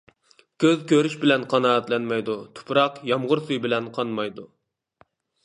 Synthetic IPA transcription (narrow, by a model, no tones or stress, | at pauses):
kʲʰøzkʲʰøɾyʃbɪlɛnqʰɑnɑːɛt̪lɛnmɛjd̪ut̪ʰʊ̥pʰɾɑqjɑmʁʊɾsujbɪlɛnqʰɑnmɑjd̪u